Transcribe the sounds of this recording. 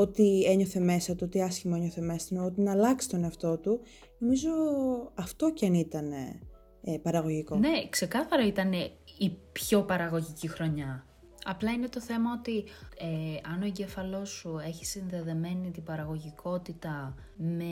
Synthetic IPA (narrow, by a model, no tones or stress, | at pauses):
o̞t̪ie̞ɲo̞θe̞me̞sɐt̪uot̪iɐsçimoe̞ɲo̞θe̞me̞sɐt̪ot̪inɐːlɐksi̥t̪o̞neɐft̪o̞t̪u | no̞mizo̞ɐft̪o̞ceɐnit̪ɐne̞̰ | pɐɾɐɣo̞ʝiko̞ne̞kse̞kɐθɐɾɐit̪ɐneipço̞pɐɾɐɣo̞ʝicixɾo̞ɲɐ | ɐplɐine̞t̪o̞θe̞mɐo̞t̪ieɐnoeɲɟefɐlo̞sue̞çi̥sinðe̞ðeme̞nit̪ibɐɾɐɣo̞ʝikʰo̞t̪it̪ɐ | me